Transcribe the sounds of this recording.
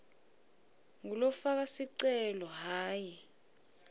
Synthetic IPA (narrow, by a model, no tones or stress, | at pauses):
ŋulɔfak̬asiǀɛlɔɦaːji